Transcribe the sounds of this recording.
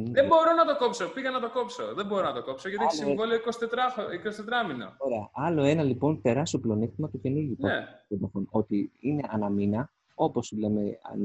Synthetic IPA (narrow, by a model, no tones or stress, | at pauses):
ðebo̞ɾo̞nɐt̪o̞kopso̞piɣɐnɐt̪o̞kopsoðebo̞ɾonɐt̪oko̞psoʝɐt̪ieçssivolioikosi̥t̪et̪ɾɐikosi̥t̪et̪ɾɐmino̰oɾeɐʔɐlo̞e̞nɐlipo̞nt̪e̞ɾɐsoplo̞nixt̪imɐt̪uceniʝipɐeomɐfonot̪iine̞ʔɐnɐminɐ | o̞po̞suleme̞ɐ̰n